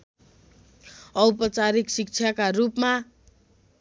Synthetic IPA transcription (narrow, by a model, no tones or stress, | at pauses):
ʌwpʌt͡saɾiksik̚t͡sʰjakarupma